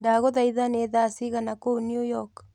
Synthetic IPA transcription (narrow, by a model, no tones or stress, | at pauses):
daɣoðaiðaneðasiɣanakonijujɔk